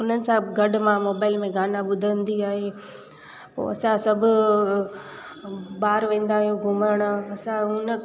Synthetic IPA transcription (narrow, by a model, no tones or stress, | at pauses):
ʊnənɪ̆sãɡɐɖmãmoːbaːɪlmẽɡaːnãɓʊd̪ʱəənd̪iaːɦe | po̰ːɐsãsɐbʱʊ̆ | baːɾʋẽːn̆d̪aːɦijoɡʱʊməɾəɽ̃ɐsãʊnə